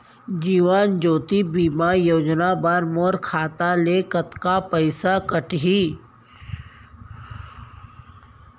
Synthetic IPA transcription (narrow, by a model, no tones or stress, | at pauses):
d͡ʒiːʋaːnd͡ʒoːt̪ibiːmajoːd͡ʒnabaːɾmoːɾkʰaːt̪alekət̪kapəɪsakəʈɦi